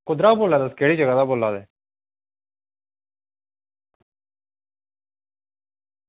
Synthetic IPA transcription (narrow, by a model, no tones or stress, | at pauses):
kʊd̪ɾaboːlːad̪əskeːɽid͡ʒəɡad̪aboːlːad̪ɛː